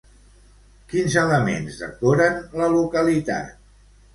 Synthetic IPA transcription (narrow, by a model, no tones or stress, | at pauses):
kinzələmḛnzðə̰koɾənləlukəlit̪a̰t̪